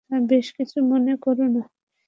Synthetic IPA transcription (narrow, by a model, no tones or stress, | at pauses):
aɾbeʃkit͡ɕʰumonekoɾona